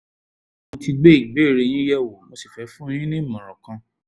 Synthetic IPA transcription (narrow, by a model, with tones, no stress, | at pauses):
õ˧ti˧ɡ͡be˦˨be˦˨ɾe˧j̃ĩ˦jɛ˦˨wo˨mɔ̃˧˦si˨fɛ˨˦fũ˦j̃ĩ˦nĩ˦˨mĩ˨ɾ̃ɔ̃˨kã˨˧